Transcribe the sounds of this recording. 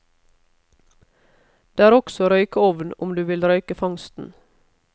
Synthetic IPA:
d̪̥eːæːɾɔksɔɾœʏkəɔʋnʊ̰md̪ʉːʋɪlɾœʏkəfɑŋst̪n̩

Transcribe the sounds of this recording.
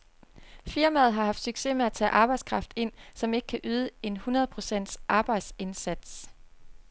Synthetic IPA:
fiɐmæð̞̩ˠɦɑ̈hɑ̈fd̥syɡ̥se̝̰ːmeæt͡sʰɛ̰ːʔɑ̈ːb̥ɑ̈ɪdskʰʁɑ̈fd̥e̝n̰sɒ̽me̝ɡ̥ə̥kʰæʔyːð̞ˠəe̝nhunɐð̞ˠpʰʁo̝sen̰d̥sʔɑ̈ːb̥ɑ̈ɪ̰d̥se̝nsæd̥s

